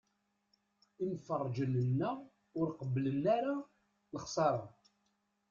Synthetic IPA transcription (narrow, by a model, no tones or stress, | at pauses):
infərˤːd͡ʒənənːæ | ʊɾqəblənaɾa | ləχsˤɑɾˤɑ̰